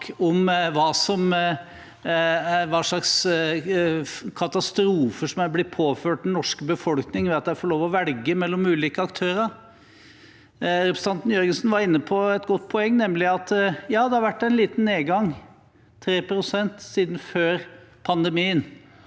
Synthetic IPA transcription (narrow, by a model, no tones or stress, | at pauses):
ɔmʋɑːsɔm | ʋɑʂɭɑks | kʰɑt̪ɑst̪ɾuːfəʂɔmæblɪpʰoːføːʈ̚d̪ɛnnɔʂkəbəfɔlknɪŋʋɛɑt̪̚d̪ɛæɾfɔɭloːʋɔʋɛlɡəmɛlːɔmʉːliːkəɑkt̪ʰøːɾəɾ | ɾɛpɾsəɑnt̪n̩jœɾɡəsnʋɑɾɪnːəpʰɔɛt̪ɡɔt̪ːpʰɔɛŋːnɛmlɪɑt̪jɑːd̪ɛhɑɾʋæʈːæɪnliːt̪n̩neːɡɑŋʰː | ɾeːpɾʊsɛnt̪siːd̪n̩føːɾpʰɑnd̪ɛmiːən